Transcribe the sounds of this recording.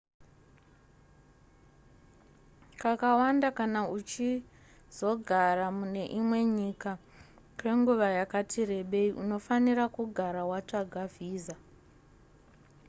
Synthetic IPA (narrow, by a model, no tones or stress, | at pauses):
kakawandakanaut͡ʃi | z̥o̞ɡʱaramune̞ʔimwe̞ɲiːka | kwe̞ŋɡuʋajakatʰire̞ɓe̞iʔuno̞faniɾakuɡʱaɾawat͡ʂaɡʱaviːza